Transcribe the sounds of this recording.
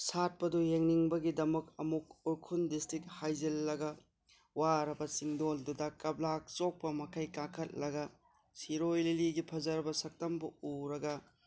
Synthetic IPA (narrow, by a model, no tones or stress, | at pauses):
sat̚pɐdujeŋniŋbɐɡidɐmɐkɐmuk̚uɾkʰundistɾit̚hajzilːɐɡɐ | waɾɐbɐsiŋdoldudɐkɐb̚lak̚t͡ʃok̚pɐmɐkʰɐjkakʰɐt̚lɐɡɐ | siɾojliliɡipʰɐzɐɾɐbɐsɐk̚tɐmbuuɾɐɡɐ